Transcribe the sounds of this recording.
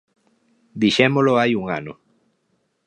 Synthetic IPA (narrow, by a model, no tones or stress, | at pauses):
d̪iʃemoloajuŋa̰no̰